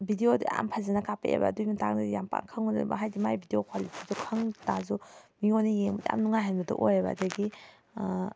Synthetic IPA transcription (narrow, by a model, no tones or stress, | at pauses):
bʱidiodia̰mpʰazanɐkapḛḛba̰dujmatak̚najampa̰ŋkʰaŋunda̰ba̰ɦajdimajbʱideokʰwalitʰizukʰaŋtazumiŋonijeŋbaja̰mnuŋajɦajnadɐ̰ʔojaba̰ːdɐɡi